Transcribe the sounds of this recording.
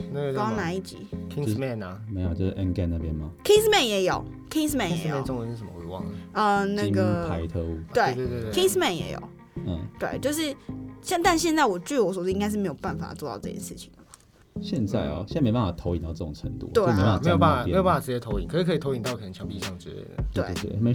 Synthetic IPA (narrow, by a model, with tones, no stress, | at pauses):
na˥˧˩kɑ˥na˧˥i˥˩t͡ɕḭ˨˩˦i˥mɛ˥˩nɐ˩me˧˥ɪjo˨t͡ɕjo˥˧ʊʂɻ̩˥˩ʔə˧˥nka˥˧na˥˩bjɛ˦nmɐ˨kʰi˥smɛ˥˨˩njɛ˧˥jo˨˩˦ʊ | kʰe˥s̬mɛ˥˩jɛ̰˨˦jmɛ˧˨˧o˥ŋwə˧˦n̩˥˩ʂmə̰˦˥we˧˥ɪwɑ̰˥˩ŋə˩ə˧na˥˧ɡə˩pʰa˧˦ɪt̪ʰɤ˥˧u˥˩we˥˧ɪ˥˧we˥˧˥kʰi˥smɛ˥˨njɛ̰˧˥jo̰˨˩˦ʊ˨˩ | t̪we˥˩ɪt͡ɕjo˥˧ʊʂ̬ɻ̩˥˩ɕjɛ˥˧nt̪a˥˧nɕ̬jɛ˥˧nt͡sa˥˩wɔ˨˩t͡ɕy˥˩˥wɔ˧˥swtĩ˥ŋa˥ʂ̬ɻ̩˥˩me˧˥ɪjo˨˩pa˥˩nfa̰˨˩t͡swɔ˥˧t̪ɑ˥˧ʊʈ͡ʂɤ˥˩ɕjɛ̰˥˩ʂɻ̩˥˩t͡ɕʰi˨˩ŋd̪ə˩˨˩ | ɕjɛ˥˧nt͡sa˥˩ɪɐ̰˨˩ɕɛ˥˧˥pa˥˩fa˨˩t̪ʰo˧˥ʊi˨˩nt̪ɑ˥˧ʊə˥˩o˨˩ŋʈ͡ʂʰə˧˦ŋt̪ṵ˥˩˨ɔt̪we˥˩˥pa˥˩˨me˧˥jo˨ba˥na˨˩m˥jo˨pa˥˩fa˨˩ʈ͡ʂɻ̩˧˥t͡ɕjɛ˧˥t̪ʰo˧˥ʊi˨˦ŋkʰɻ̩˥˩kʰɤ˧˥˨o˧˥i˨˩nt̪ɑ˥˧ʊk̪ʰə˧˥t͡ɕʰjɑ˧˥ŋpi˧ʂɑ˥˩ŋə˩t͡ɕɥɛ̰˧˥ɛ̰˥˩d̪ə̰˩wwe˥˩we˥˩t̪ḛ˥˩me˧˥